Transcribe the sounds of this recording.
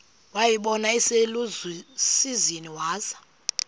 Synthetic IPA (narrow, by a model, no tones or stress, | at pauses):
wajiɓɔnaiselusiziniwaːzḁ